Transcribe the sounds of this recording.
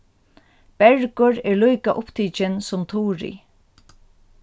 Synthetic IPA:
b̥ɛɹkʊɹɛɹlujkaʔʊpt̪ʰiːt͡ʃɪnsʊmt̪ʰuːɹḭ

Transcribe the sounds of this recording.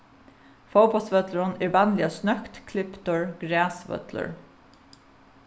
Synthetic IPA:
fowpɔlt̪sfœt̪ləɾʊnɛɹvanlɪasnœkt̪kʰlɪpt̪ʊɹɡ̥ɾæːsʋœ̰t̪lə̰ɹ

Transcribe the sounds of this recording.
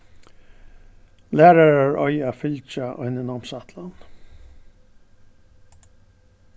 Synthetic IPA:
læːɾaɹaɹɔjaːfɪlt͡ʃaʔɔjnɪnɔmsat̪lan

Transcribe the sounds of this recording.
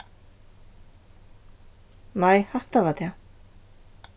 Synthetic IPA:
najhaht̪avat̪ja

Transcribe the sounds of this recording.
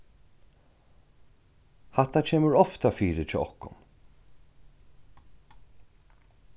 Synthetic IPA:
hat̪at͡ʃʰeːməɾɔft̪afiːɾɪt͡ʃʰɛ̰ːɔhkʊ̰n

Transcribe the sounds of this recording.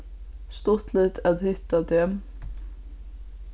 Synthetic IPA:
st̪ɔt̪lɪt̪ʰæd̪hʏt̪ɑd̪em

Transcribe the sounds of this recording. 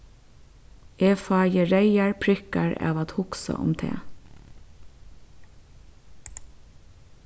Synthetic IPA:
eːfɑːjəɹeɪɑɹpʰɹɪkɑɹɑ̰ːʋɑt̪hʊksə̰ʔʊ̰mt̪ʰḛː

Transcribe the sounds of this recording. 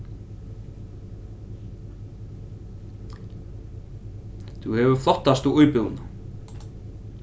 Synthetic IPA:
θuhɛvʏɾ̥flɔht̪ːast̪uujpʏvʏna

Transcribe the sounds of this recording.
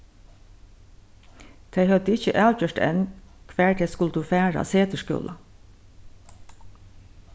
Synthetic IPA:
t̪ʰeɪhœd̪əɪçəʔæːcœʈɛ̰n | kʰʋæːɹt̪ʰɛskʊltd̪uːfæːɹa̰seːt̪əʃkʏ̰lʔa

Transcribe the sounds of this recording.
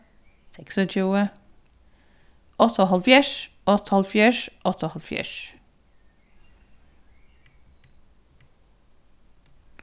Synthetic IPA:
sʰɛksət͡ʃuːə | ɔt̪ɔɦɔlfjɛʃ | ɔt̪ʰhɔlˠfjɛʃɔt̪ʰɔhɔlfjɛ̰ʃ

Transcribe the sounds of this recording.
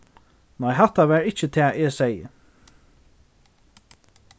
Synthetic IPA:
nɔɪɦat̪aʋæɹɪt͡ʃət̪ʰɛːʔɛsɛjə̰

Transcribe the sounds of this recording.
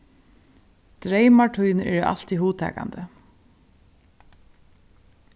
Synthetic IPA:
d̪̥ɾejmaʈʰujnɛ̰ɹa̰l̥t̪iɦuːt̪ʰɛ̰ːka̰nd̪ə

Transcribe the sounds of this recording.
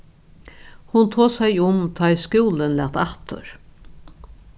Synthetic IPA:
hʊnt̪ʰoːsæjʊmt̪ʰɑjskuːlənlɛ̰ːt̪ɑt̪ʊ̰ɾ

